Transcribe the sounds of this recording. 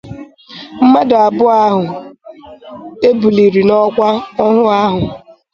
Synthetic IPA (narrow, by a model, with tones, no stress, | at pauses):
m̩˦ma˦dʊ˨a˨bʊ˦a˦ɦʊ˨ | e˦bu˨li˨ɾi˨nɔ˦kʷa˦ɔ˦ɦʊ˦a˦ɦʊ˨